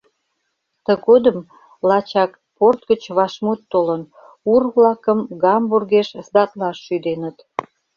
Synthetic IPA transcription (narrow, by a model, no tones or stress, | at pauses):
t̪əɣod̪əm | lɑt͡ɕɑk | port̪̚ɡət͡ɕβɑʃmut̪ːolən | urβlɑkəmɡɑmburɣeʃzd̪ɑt̪lɑʃːyd̪enət̪